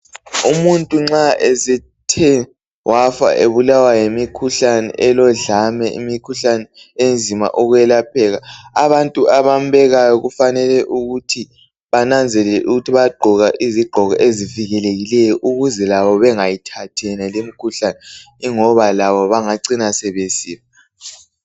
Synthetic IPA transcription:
umuntʼuŋ͡ǁaesɛ | tʰɛ | wʔafa̰ʔeβulawajemikʰuɬanɛ̰ʔɛlɔɮamɛʔḭmikʰuɬanɛend͡zʱima̰ʔɔɣwjɛlapʰɛɣaaβantʼuʔaβambɛɣajɔɣufanɛlɛʔuɣutʰi | βanand͡zʱɛlɛlɛʔuɣutʰiβaɡ͡ǃʱɔɣaʔiziɡ͡ǃʱɔɣɔʔeziviɣɛleɣilɛjɔʔuɣuzɛlaβɔβɛŋajitʰatʰɛɛnalemikʰuɬanɛ | iŋɔβalaβɔβaŋaǀinasɛβesiːma

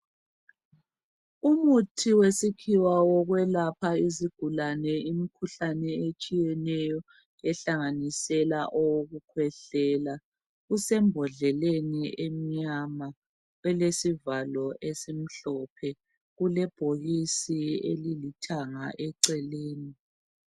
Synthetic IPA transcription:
umutʰiwesikʰiwawɔɣwɛlapʰaiziɡ̥ʱulanɛimikʰuɬanɛet͡ʃʼijɛnɛjɔ | ɛɬaŋanisɛlaʔɔwoɣukʰwɛɬɛːla | ɣusɛmbʱɔɮɛleniem̩ɲama | ɛlesivalɔʔesim̩ɬɔpʰɛ | ɣulɛb̥ʱoɣisiḛlilitʰaŋa̰ʔɛǀɛleːni

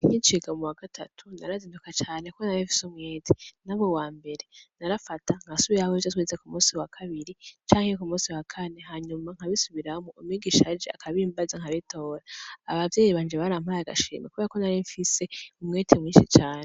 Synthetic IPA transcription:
iciːnt͡ʃiɡamuwaɡatʰatʰunaɾaziːndukat͡ʃaːne̞konaɾiɱfi̥sumŋeːtʰenaβowaːmbe̞ɾe̞naɾafataŋ̥hasuβiɾawoizatwizekumũːsiwakʰaβiɾit͡ʃaːŋ̥hekumũːsiwakʰane̞ɦaɲumaŋ̥haβisuβiɾamuʔːmwiːɡiʃad͡ʒea̰kʰaβiːmbazaŋhaβitʰo̞ːɾaːβavjeːiβaːɲd͡ʒeβaɾam̥ajaɡa̰ʃḭːmḛkuβe̞ːɾako̞naɾiɱfise̞umŋeːtʰemŋiːnʃit͡ʃaːne

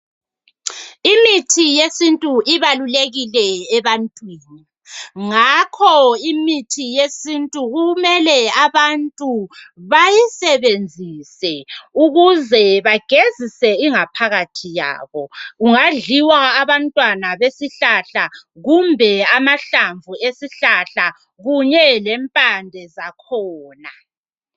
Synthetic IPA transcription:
imitʰijesintʼuʔiβaluleɣilɛːβantʼwiːni | ŋakʰɔimitʰijesintʼuɣumɛlɛaβantʼuβajisɛβend͡zʱisɛuɣuzɛβaɡ̥ʱezisɛiŋapʰaɣatʰija̰ːβɔuŋaɮiwaːβantʼwanaβesiɬaɬaɣumbʱɛamaɬaɱvʱuesiɬaɬa | ɣuɲɛlɛmpʼandʱɛzakʰɔːna

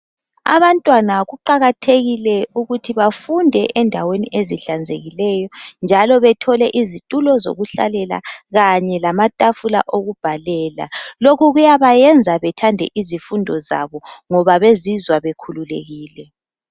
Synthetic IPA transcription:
a̰βantʼwanaɣuǃaɣatʰeɣilɛuɣutʰiβafundʱɛʔɛndʱaweniʔeziɬand͡zʱḛɣilɛjɔnd͡ʒʱalɔβɛtʰɔlɛʔizitʼulɔzo̰ɣuɬa̰lɛla̰ɣaɲɛlamatʼafula̰ʔoɣub̥ʱalɛːla̰lokʰuɣujaβajɛnd͡zʱaβɛtʰandʱɛ̰ʔizifundʱɔza̰βɔŋɔβaβezizwaβekʰululḛɣiːlɛ

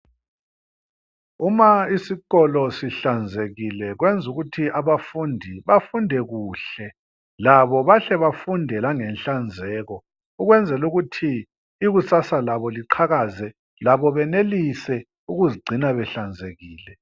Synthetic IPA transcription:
umaisiɣɔlɔsiɬand͡zʱeɣilɛɣwɛnd͡zʱuɣutʰiʔaβafundʱiβafundʱɛɣuːɬɛ | laβɔβaɬɛβafundʱɛlaŋɛnɬand͡zʱɛːɣɔ | uɣwɛnd͡zʱɛluɣutʰiː | ɣusasalaβɔliǃʰaɣazɛ | laβɔβɛnelisɛ | uɣuziɡ͡ǀʱinaβɛɬand͡zʱeɣiːlɛ

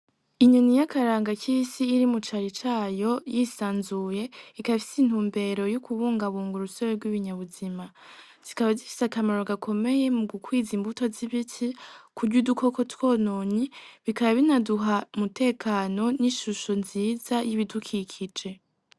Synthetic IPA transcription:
iɲonijakʰaɾaːŋɡaciːsiːɾimut͡ʃaɾit͡ʃaːjo̞jiːsaːnzuje̞ikafi̥sin̥uːmbe̞ɾo̞jukʰuβuːŋɡaβuːŋɡuɾusoɾeɾɡwiβiɲaβuzima | z̥ikaβazifi̥sakamaɾo̞ɡakʰo̞me̞je̞muɡukwiːzimbuto̞ziβitʰikʰuɾɟuduko̞ko̞two̞ːnoɲiβikaβaβinaduɦamute̞ːkʰano̞niʃuʃo̞nziːzajiβidukʰikʰid͡ʒe̞

